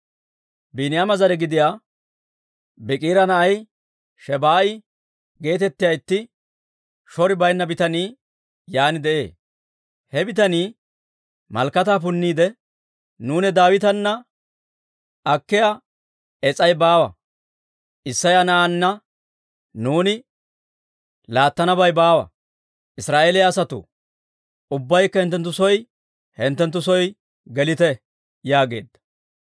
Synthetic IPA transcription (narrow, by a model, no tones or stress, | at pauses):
biːnɪjamɐzɐɾɛɡɪd̪ɪjaː | bɪkʼiːɾɐnɐʔɐj | ʃɛbaːɪ | ɡe̞ːt̪ɛt̪ːɪjɐjɪt̪ːɪ | ʃɔɾɪbɐjnːɐbɪt̪ɐniː | jaːnɪd̪ɛʔḛː | hɛbɪt̪ɐniː | mɐ̰lkːɐt̪aːp̬ʊnːiːd̪ɛ | nuːnɛd̪aːwɪt̪ɐnːɐ | ɐkːɪjɐ | ɛt͡sʼɐjbaːwɐ̰ | ʔɪsːɐjɐnɐʔɐnːɐ | nuːnɪ | laːt̪ːɐnɐbɐjbaːwɐ̰ | ʔɪsɾaːʔeːlɪjaːsɐt̪ʊ̰ | ʊbːɐjkːɐhɪnt̪ːɛnt̪ːʊsɔj | hɛnt̪ːɛnt̪̬ːʊsɔj | ɡɛlɪt̪ɛ | jaːɡe̞̰ːd̪ːɐ̥